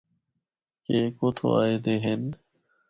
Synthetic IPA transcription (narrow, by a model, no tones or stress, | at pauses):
keːkoːt̪ʰo̰ːa̰ːeːd̪eːɦen